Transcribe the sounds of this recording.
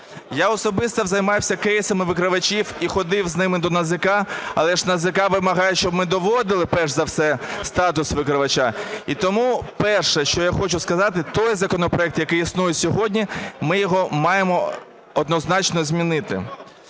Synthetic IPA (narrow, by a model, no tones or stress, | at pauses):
jaɔsɔbɪst̪ɐʋzɐjmɑjwsʲɐkɛjsɐmɪʋɪkɾɪʋɐt͡ʃʲiwixɔd̪ɪwznɪmɪd̪ɔnɐzɪkɑɐ̰lˠɛʒnɐzɪkɑʋɪmɐɦɑjɛʃt͡ʃɔbmɪd̪ɔʋɔd̪ɪlˠɪpɛʒzɐwsɛst̪ɑt̪ʊsʋɪkɾɪʋɐt͡ʃait̪ɔmupɛrʃɛʃt͡ʃɔjaxɔt͡ʃʊskɐzɑt̪ɪt̪ɔjzɐkɔnɔpɾɔɛk̚t̪jɐkɪjisnujʊsʲɔɦɔdʲnʲimɪjɔɦɔmɑjemɔ | ɔd̪nɔznɑt͡ʃnɔzʲmʲinɪt̪ɪ̰